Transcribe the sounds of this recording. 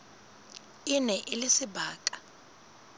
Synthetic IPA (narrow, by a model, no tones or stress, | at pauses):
ɪnɛʔɪlɪsɪbaːkʼḁ